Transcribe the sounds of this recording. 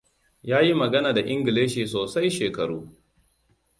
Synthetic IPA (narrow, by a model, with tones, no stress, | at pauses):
jaː˦ji˦mɐ˨ɡɐ˦naː˨da˨ʔɪ˦ŋɡɪ˨leː˦ʃiː˨soː˨sa˦jʃeː˨kɐ˨ɽuː˦